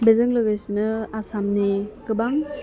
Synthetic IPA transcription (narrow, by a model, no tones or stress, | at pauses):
bezɯŋlɯɡɯjsinɯasamniɡɯbaŋ